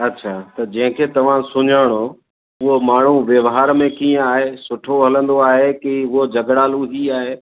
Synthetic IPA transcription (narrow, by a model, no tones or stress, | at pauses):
ɐtːɕʰaːt̪ɐd͡ʑɐ̃ɦɪ̃kʰeːt̪ɐʋ̤ãsʊɲaːɽ̃o | ʊɦomaːɳ̤uʋjɐʋɦaːɾmẽkiːə̃aːɦeːsʊʈʰoɦɐlə̃nd̪oaːɦekiʊɦod͡ʑɐɡɽaːluɦiaːɦeː